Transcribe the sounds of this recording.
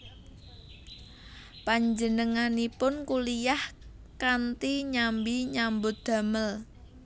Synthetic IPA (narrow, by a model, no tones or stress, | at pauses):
paɲd͡ʒənəŋanipʊnkulijah | kant̪iɲambiɲambʊt̪̚d̪̥a̤məl